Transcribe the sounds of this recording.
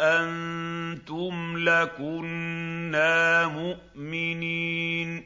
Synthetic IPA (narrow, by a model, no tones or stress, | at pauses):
ʔant̪ʊmlakʊnːaːmʊʔmɪniːn